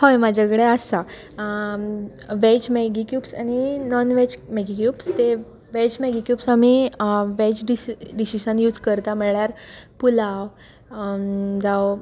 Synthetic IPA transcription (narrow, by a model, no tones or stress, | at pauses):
hɔjmad͡ʑʱakəɽeasa | ʋet͡ɕmeɡikjuːpsañinɔnʋet͡ɕmeɡikjuːpst̪e | ʋed͡ʑmeɡikjuːpsamiʋet͡ɕɖiɖisiɕənjuːd͡zkəɾt̪amɛɭjaɾpula | d͡zaw